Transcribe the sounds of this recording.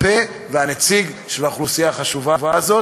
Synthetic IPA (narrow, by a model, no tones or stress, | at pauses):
pe | veanet͡siɡ | ʃelhaχlusijaχaʃuvavazo̞